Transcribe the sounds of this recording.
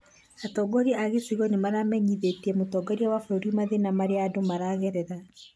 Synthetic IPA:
atɔːɡɔɾiaɣesiɣɔnemaɾamɛɲiðetiɛmotɔɡɔɾiawafɾoɾimaðenamaɾeaːdomaɾaɣɛɾɛɾa

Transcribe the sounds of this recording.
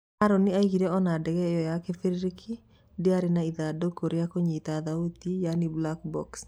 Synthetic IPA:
aɾoniaiɡiɾeɔnadɛkɛjɔjakefiɾɾikʰi | dɪaɾɪnaiðadokʰoɾeakoɲet̪aðaut̪ijaniblakbɔ̰ks

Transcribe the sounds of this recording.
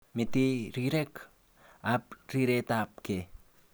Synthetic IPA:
mit̪iɾiɾek | ap̚ɾiɾet̪ap̚ke

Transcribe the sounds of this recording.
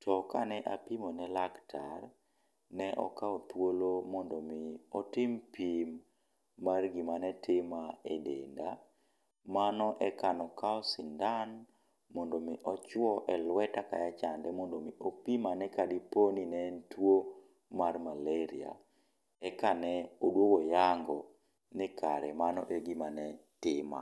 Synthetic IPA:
tʰɔkanɛʔapimonɛlaktar | nɛʔɔ̰kaɔt̪wolomɔndɔmɪɔtɪmpimː | arɡimanɛtʰɪmaedḛnda | manɔʔɛkanɔkaɔsɪndan | mɔndomiʔɔt͡ʃwɔʔɛlwɛtaka̰jat͡ʃandɛmɔndomiʔopimanɛkadiponinɛntwo | marmaleɾia̰ | ɛkanɛodwowojaŋɡɔ | nɪkʰaɾɛmanɔʔeɡimanɛtɪma̰

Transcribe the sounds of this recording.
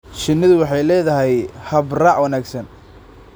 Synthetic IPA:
t͡ʃɪnːɪðʊwɑħɑjlɛːðɐɦɛjhɐbrɑːʕwɐnaːɡsɐn

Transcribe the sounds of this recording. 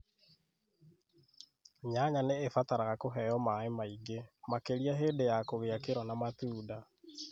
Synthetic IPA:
ɲaɲaneːfataɾaɣakoɦɛjɔmaemaiɡemakeɾiaɦeːdejakoɣeakeɾwanamatuːda

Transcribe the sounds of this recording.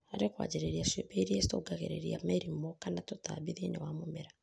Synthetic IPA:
aɾekwa̰ːd͡ʒeɾeɾiasepeɾiestoɡaɣḛɾḛɾiamɛɾimokanatota̰βiðenewamomɛɾa

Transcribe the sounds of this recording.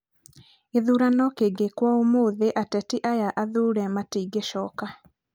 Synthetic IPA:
eðuːɾanɔkeɡekwaomoːðeʔatɛtiʔajaʔaðuːɾɛmatiːɡeʃɔ̰ːka

